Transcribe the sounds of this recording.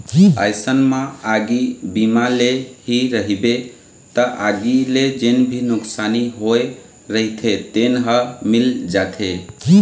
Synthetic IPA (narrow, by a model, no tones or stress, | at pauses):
əjsənmãaɡibimaleɦiɾəɦibe | t̪əʔaɡiled͡ʒenbʱinʊksaniɦoe | ɾəɦit̪ʰet̪enɦəmild͡ʒat̪ʰe